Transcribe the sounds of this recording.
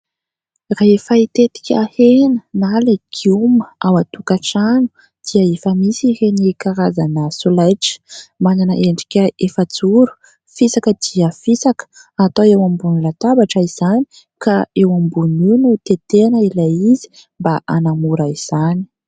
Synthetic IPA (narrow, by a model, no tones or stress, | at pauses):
raefait̪et̪i̥kʲahenənaleɡ̥iuməawat̪ukaʈ͡ʂanu̥ | d̪̥iəefəmisihenikaɾazanəsolajʈ͡ʂə̥mananə̰ʔeɳɖ͡ʐi̥kʲəefət͡suɾu̥ | fisakəd̪̥iəfisakə̥ | at̪oewambunlat̪abaʈ͡ʂaiz̥ani̥ | kaewambununut̪et̪enəilaizi̥ | mbaʔanamuɾaiz̥ani̥